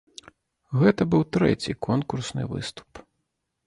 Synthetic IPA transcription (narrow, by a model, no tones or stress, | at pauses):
ɣɛt̪ɐbɨwt̪ɾɛ̰t͡sʲikʰɔnkursnɨ̰vɨ̰st̪u̥p